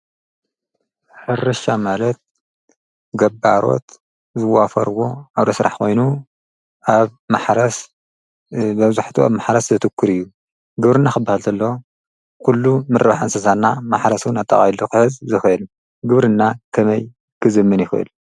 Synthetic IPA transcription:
ħɨrɨʃamalɐt̪̚ | ɡɐbːaɾo̞̰t̪ | zɨwafɐɾwo̞aβd̪ɐsɾa̰ħkʰo̞jnu | ʔaβmaħɾɐs | bɐβzuħt̪ʰua̰βmaħɾɐszɐt̪ʰɨkʰːɨɾɨjːu | ɡɨβɾɨnːaxɨbːahalt̪ʰɐlːoo | kʰulːumɨɾβaħansɐsanːamaħɾɐsunat̪ʼːɐ̰χʼajluxɨħɨzzɨxɨʔɨl | ɡɨβɾɨnːakʰɐmɐj | kʰɨzɨmːɨnjɪxɨʔɨ̰l

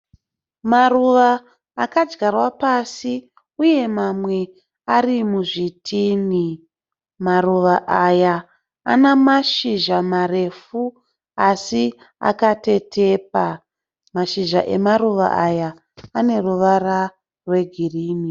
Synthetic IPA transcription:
maruʋaː | kad͡ʒɡarwapasi | uje̞mamwe̞ | arimuʐitʰiːni | maruʋaʔaja | a̰namaʃiʒamare̞fu | asi | a̰kate̞tʰe̞ːp̚a | maʃiʒa̰ʔe̞maruʋa̰ʔajaː | ne̞ruʋara | rwe̞ɡʱiriːni

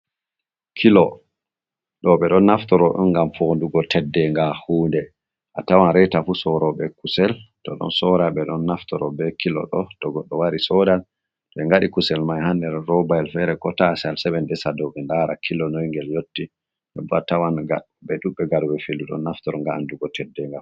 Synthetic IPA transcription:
kʰilɔ | ɗɔɓɛɗɔnːaftɔɾɔɗɔ̰nɡamfɔnduɡɔtɛdːɛŋɡahuːndɛ | ʔatawanɾɛtafusɔɾɔɓɛkusɛltɔ̰ɗɔ̰nsɔɾaɓɛɗɔnːaftɔɾɔbɛkʰilɔ̰ɗɔtɔɡɔɗːɔwaɾisɔdal | tɔɓɛŋɡaɗikusɛlmajhandɛɾɾɔbajlfɛɾɛkɔtasalsɛɓɛndɛsadɔɓɛndaɾakʰilɔnɔjŋɡɛljotːi | ɗɛ̰bɔatawanɡa | ɓɛɗuɓɛɡaɾɡɛfelːuɗɔ̰nːaftɔɾɔŋɡaanduɡɔtʰɛdːɛŋɡa

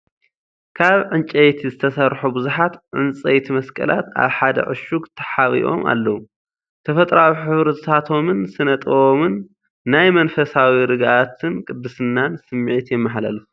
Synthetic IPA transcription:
kʰaβʕɨnt͡ʃʼejt̪ʰizɨt̪ʰɐsɐɾħubɨzuħat̪ʕɨnt͡sʼɐjt̪ʰimɐskʼɐ̰lʔa̰t̪a̰βħad̪ɐ̰ʕɨ̰ʃuɡt̪ʰɐ̥ħaβḭʔo̞̰ma̰lːɐwu | t̪ʰɐfɐt̪ʼɾawiħɨβɾɨt̪ʰat̪ʰo̞mɨnsɨnɐt̪ʼɐwomɨnː | ajmɐnfɐsawiɾɨɡʔat̪ʰɨnkʼɨd̪ːɨsɨnːansɨmːiʕit̪jɛmːɐħlɐ̰lu

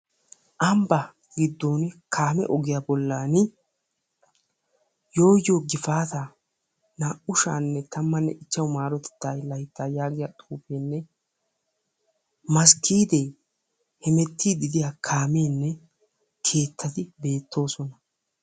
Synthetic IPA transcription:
ʔɐmbɐ | ɡɪd̪ːoːnkʰaːmɛ̰ʔɔɡɪjabɔlːaːn | jo̞ːjːoːɡɪfaːt̪a | naːʔʊʃa̰ːnːɛt̪ɐmːɐnːɛʔɪt͡ʃːɐwmaːɾɔt̪ɛ̥t̪ːaːjlɐjt̪ːaːjaːɡɪjat̪ʼuːpeːnːɛ | mɐskʰːiːd̪e | hɛmɛt̪ʰːiːd̪ɪd̪ɪjakʰaːmeːnːɛ | kʰe̞ːt̪ʰːɐt̪ɪbe̞ːt̪ːo̞ːsɔnɐ

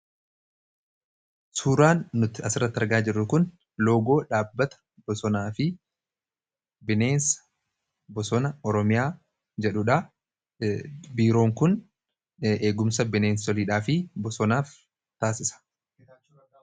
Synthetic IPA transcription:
suːɾaːnːʊt̪ɪɐsɪrːɐt̪ːɐɾɡaːd͡ʒɪrːʊkʊn | lo̞ːɡo̞ːᶑaːbːɐt̪ɐ̥ | bɔsɔnaːfɪ | bɪneːnsɐ̥ | bɔsɔnɐɔɾɔmɪjaː | d͡ʒɛᶑʊᶑɐ | biːɾo̞ːŋkʊn | ʔe̞ːɡʊmsɐbɪneːnsɔliːᶑaːfɪbɔsɔnaːf | t̪aːsɪsɐ̥

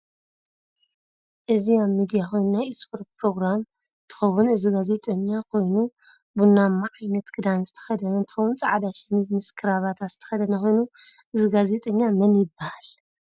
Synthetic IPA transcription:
ʔɨziaβmid̪ijaxʰo̞jnunajispʰoɾt̪̚pɾo̞ɡɾam | t̪ʰɨ̥xɐwunɨziɡaze̞t̪ʼɐɲːakʰo̞jnu | bunamːaʕajnɐt̪kʰɨd̪anzɨt̪ʰɐ̥xɐd̪ɐnɐnt̪ʰɨ̥xɐwunt͡sʼaʕad̪aʃɛniβmɨskʰɨɾaβat̪ʰat̪zɨ̥t̪ʰɐ̥xɐd̪ɐnɐkʰo̞jnuʔɨziɡaze̞t̪ʼɐɲːamɐnjɪbːahal

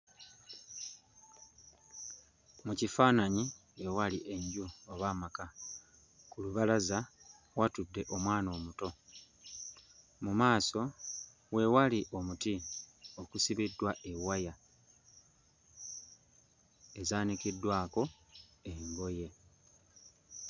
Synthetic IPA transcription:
mucifaːnaɲiewaliʔe̞ɲɟuoβaːmaka | kuluβalaza | watudːe̞ʔo̞mwaːno̞ːmuto̞ | mumaːso̞ | we̞waliʔo̞mutio̞kusiβidːwaʔe̞waja | ezaːnikidːwaːko̞embo̞je̞

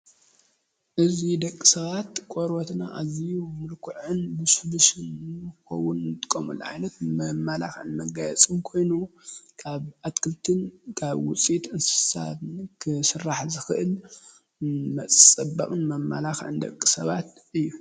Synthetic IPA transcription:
ʔɨzid̪ɐkʼːi̥sɐβat̪kʷʼoɾot̪na̰ʔazijumɨlkʰuʕɨnbɨsuhbɨsɨnxɐ̰wːʊnɨt̪ʰʼɨ̥kʼːɐmṵlʕa̰jnɐt̪mɐmːala̰xʕɨ̰nmɐɡajɛt͡sʼɨmkʰo̞jnukʰaβʔat̪kʰɨlt̪ʰɨnkʰaβwʊ̰t͡sʼit̪ɨnssa̰βɨnkʰɨsɨrːaħzɨxɨʔɨl | mɐt͡sʼt͡sʼɐbɐ̰kʼɨnmɐmːa̰laxʕɨ̰nd̪ɐ̰kʼːisɐβat̪ɨjːu

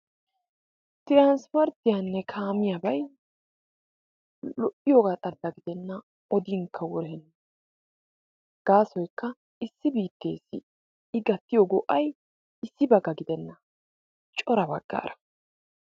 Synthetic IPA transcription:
t̪ɪɾanspɐɾt̪ɪjɐnːɛkʰaːmɪjabɐj | lɔʔɪjoɡaːt̪ʼɐɾd̪ɐɡɪd̪ɛnːɐ | ɔd̪iŋkʰːɐwɔɾɛnːɐ | ɡ̥aːsɔjkːɐ | ɪsːɪbiːt̪ːe̞ːsɪ̰ | ɪɡɐt̪ːɪjɔɡɔʔɐj | ɪsːɪbɐɡːɐɡɪd̪ɛnːɐ | t͡ʃʼɔɾɐbɐɡ̥ːa̰ːɾʔɐ̥

